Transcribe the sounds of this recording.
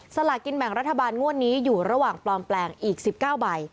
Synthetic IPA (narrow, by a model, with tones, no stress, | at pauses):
sa˧la˨˩kːi˧nbɛ˨˩ŋɾa˦˥t̪ʰːa˧baː˧nŋu˥˩ənːiː˦˥juː˨˩ɾa˧waː˨˩ŋplɔː˧mplɛː˧ŋʔiː˨˩k̚si˨˩p̚kaː˥˩wba˧j